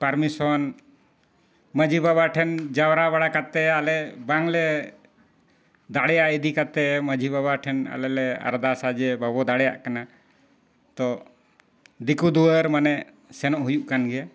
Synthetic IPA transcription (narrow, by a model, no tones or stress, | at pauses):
pəɾmisɔn | məd͡ʒʱibabaʈʰɛnd͡ʒawɾabəɽakat̪ɛalɛbaŋlɛ | d̪aɽjaʔid̪ikat̪ɛməd͡ʒʱibabaʈʰɛna̰lɛlɛa̰ɾd̪asad͡ʒɛbʱabɔd̪aɽɛja̰ʔkana | t̪ɔ | d̪ikud̪uəɾmanɛʔ | sɛnɔʔɦujuʔkanɡɛ